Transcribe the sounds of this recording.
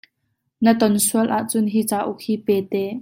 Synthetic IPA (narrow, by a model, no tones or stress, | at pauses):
nət̪ɔnsuəlʔaʔt͡sʊnɦiːt͡saːʔʊk̚hiːpɛːt̪ɛː